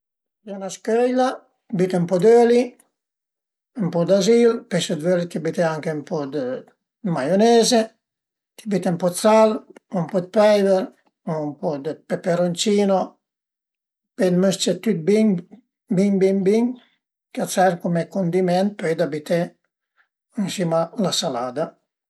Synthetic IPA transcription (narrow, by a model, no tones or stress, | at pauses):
donaskøjla | bit̪empɔd̪øli | mpɔd̪azilpesəd̪vølit̪ibit̪eaŋkempɔd̪ə | majoneːze | t̪i̥bit̪empɔt͡salumpɔd̪̚pɛjvɛɾ | mpɔd̪əpepeɾont͡ʃiːno | ped̪møst͡ʃet̪yt̪̚bin | biɲbinbiɲ | kasaɾkumekond̪imɛnt̪̚pøjd̪abit̪e | insimalasalaːd̪a